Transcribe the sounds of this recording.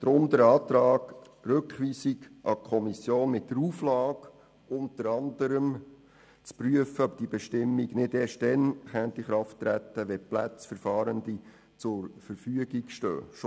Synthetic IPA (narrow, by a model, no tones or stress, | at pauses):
d̥ɾʊmd̪əɾɑːt̪ɾɑːɡ | ɾɵkχʋiːsiɡʔɑkʰɔmisjoːnmɪtːəɾuːflɑːɡ | ʊntəɾɑndəɾəm | t͡spryəfəœp̚d̥ibɛʃtɪmːiɡnɪdeːʃtdɛnχæntdiχɾɑftːɾæt̪ːəʋɛplæt͡sfəɾfɑːɾənd̪i | t͡sʊɾfəɾfyəɡikʃtø̰ːʃ